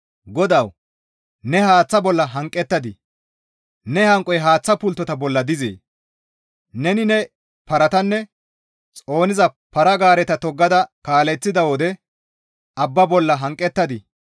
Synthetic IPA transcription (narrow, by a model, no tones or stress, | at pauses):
ɡɔd̪ɐw | nɛhaːt͡sːɐbɔlːɐɦɐŋkʼɛt̪ːɐd̪ɪ | nɛhɐŋkʼɔjɦaːt͡sːɐpʊlt̪ːɔt̪ɐbɔlːɐd̪ɪzḛː | nɛnɪnɛ | pɐɾɐt̪ɐnːɛ | t͡sʼo̞ːnɪzɐpɐɾɐɡaːɾɛt̪ɐt̪ɔɡːɐd̪ɐkaːlɛt͡sːɪd̪ɐwod̪ɛ | ɐbːɐbɔlːɐɦɐŋkʼːɛt̪ːɐd̪ɪ